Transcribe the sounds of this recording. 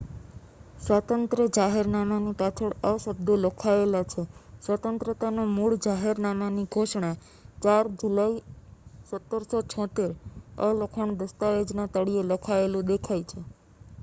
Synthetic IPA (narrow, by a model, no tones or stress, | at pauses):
sʋət̪ənt̪ɾəd͡ʒaɦeɾnamanũt̪at͡ʃʰəɽəsəb̚d̪ʱolɔkʰaelat͡ʃʰesʋət̪ənt̪ɾət̪anomuɭd͡ʒaɦeɾnamaniɡʱoʃɳ̃a | t͡ʃaɾd͡ʒulaisət̪ːəɾsɔt͡ʃʰɔ̃t̪eɾə̰lokʰəɳ̃d̪əst̪aed͡ʒnat̪əɽijolɔkʰaelũd̪ekʰajt͡ʃʰe